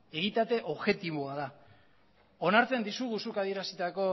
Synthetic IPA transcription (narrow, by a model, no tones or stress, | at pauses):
e̞ɣit̪at̪e̞ʔo̞βʝe̞t̪iβoaða | o̞naɾt͡se̞nd̪isuɣusukaðie̞ɾasit̪ako̞